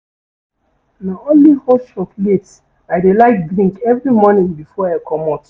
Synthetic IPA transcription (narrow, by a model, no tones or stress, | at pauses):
naõnlihɔʃɔklet | aɪdelaɪk̚dɹĩŋkɛvɹimɔnĩŋbifɔakʰɔmɔt